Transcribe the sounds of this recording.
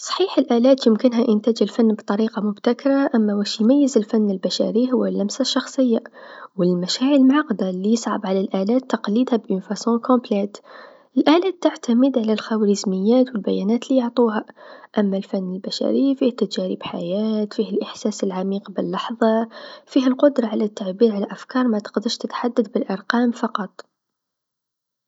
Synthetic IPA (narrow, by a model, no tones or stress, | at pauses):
sˤɑ̥ħiːħəlʔæːlæːt̪jəmkənɦæʔənt̪æːd͡ʒəlfanːbt̪ˤɑɾiːqɑmʊbt̪akɾˤaʔæmːæwæʃjmæjːəzəlfanːəlbæʃæ̰ɾihʊwːælʔæmsaʃːɑxsˤɨjːawəlmæʃaːʕəɾmʕɑqd̪alːijəsˤʕɑ̰bʕalælʔælæːt̪ːɑqliːd̪hæbʔɪnfæsõkɔ̃plæt̪ | ʔəlʔæːlæːt̪ːaʕt̪aməd̪ʕalælxawlizməjːæːt̪wəlbæjænæːt̪lijʊʕt̪ˤuhæʔæmːælfænːəlbæʃæ̰ɾəjːfiht̪ːæd͡ʒæɾḭbħa̰jæːt̪fihælʔəħsæːsəlʕamiːqbəlːɑħðˤɑfihælqʊd̪ɾˤɑʕalæt̪ːaʕbiːɾʕalæʔæfkɑːɾˤmæt̪ə̥qd̪əʃt̪ət̪ħad̪ːad̪bəlʔɑɾˤqɑːmfɑqɑt̪ˤ